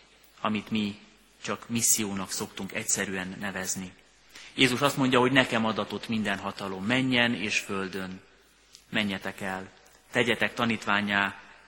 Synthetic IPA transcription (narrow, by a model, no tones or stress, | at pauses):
ɒmit̪mi | t͡ʃɒkmisːijoːnɒkso̞kt̪uŋkɛcsɛɾyɛnːɛvɛzni | jeːzuʃɒst̪mo̞ɲɟɒɦo̞ɟnɛkɛmɒd̪ɒt̪o̞t̪mind̪ɛnɦɒt̪ɒlo̞mːɛɲːɛneːʃfø̞ld̪ø̞n | mɛɲːɛt̪ɛkɛl | t̪ɛɟɛt̪ɛkt̪ɒniːt̪ʋaːɲaː